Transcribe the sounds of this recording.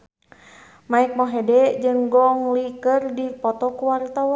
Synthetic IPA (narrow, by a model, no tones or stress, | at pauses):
maik̚mɔɦɛdɛd͡ʒɨŋɡɔŋlikərdipɔt̪ɔkuwaɾt̪awɔ